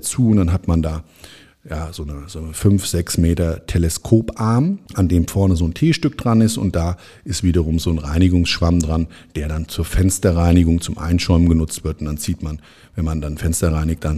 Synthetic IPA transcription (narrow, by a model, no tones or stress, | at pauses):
t͡suːʊnd̥anɦatmandaː | jaːzoːnəzoːnfʏnfz̥ɛksmeːtɐtʰelɛskʰoːpʔaɐmʔandeːmfɔɐnəzoːntʰeːʃtʏk̚d̥ʁanɪstʊ̰nt̚d̥aː | ʔɪstv̥iːdɐʁʊmzoːnʁaɪnɪɡʊŋsʃv̥amdʁan | d̥eːɐɾant͡suːɐfɛnstɐʁaɪnɪɡʊŋt͡sʊmʔa̰ɪnʃɔʏmənɡənʊt͡stv̥ɪɐtʊntd̥ant͡siːtman | vɛnmandanfɛnstɐʁaɪnɪçt̚d̥an